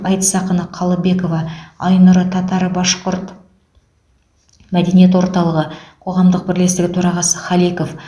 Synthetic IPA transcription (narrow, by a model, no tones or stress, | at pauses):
ɑjt̪sɑqənəqʰɑlˠəbe̞ko̞vɑɑjnʊɾət̪ʰɑt̪ɑɾbɑʃqʊɾt̪ | mæd̪e̞nije̞t̪̬wo̞ɾt̪ɑlˠəʁəqʰo̞ʁɑmd̪əq̚bɪɾle̞st̪ɪɡʲɪt̪ʰoɾɑʁɑsəχɑlˠijko̞f